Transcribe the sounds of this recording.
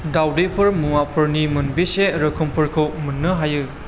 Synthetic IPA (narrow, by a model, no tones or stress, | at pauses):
dawdepʰɯɾmuŋapʰɯɾnimɯnbeseɾɯkʰɯmpʰɯɾkʰɯwmɯnːɯɦajɯ